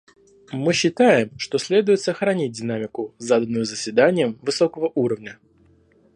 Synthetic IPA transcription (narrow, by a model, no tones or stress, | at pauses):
mɨɕːɪt̪ajɪmʂt̪o̞sʲlʲe̞d̪ʊjɪt̪səxɾɐnʲit̚ʲdʲɪnamʲɪkʊzad̪ənːʊjʊzəsʲvʲɪd̪anʲɪjəmvɨso̞kəvəʔuɾəvnʲə